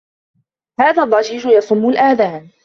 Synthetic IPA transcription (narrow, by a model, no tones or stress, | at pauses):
haːðaːdˤːɑd͡ʒiːd͡ʒʊjɑsˤʊmːʊlʔaːðaːn